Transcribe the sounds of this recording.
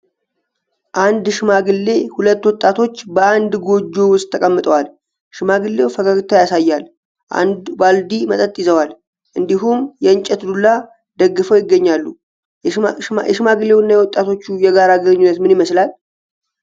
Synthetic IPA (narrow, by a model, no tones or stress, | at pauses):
ʔand̪ʃɪmaɡɨlːe̞hulət̪ːwɔt̪ʼːat̪ʰo̞t͡ʃːbəand̪ɡo̞d͡ʒːo̞wʊst̪ʰːəkʼəmːɨt̪ʼəwal | ʃmaɡɨlːe̞wfəkʰaɡɨt̪ʰːajasajːal | ʔa̰nd̪bald̪imət̪ʼət̪ʼːɪzəwal | ʔɨnd̪iɦumjɛɨnt͡ʃʼːɛt̪d̪ulːa | d̪əɡːɨfəwjɪɡːəɲːalːṵ | jɛʃɨmaɡɨlːe̞wnːajɛwɔt̪ʼːat̪ʰo̞t͡ʃːujɛɡaɾaɡəɾɨɲːunːət̪mɨniməslal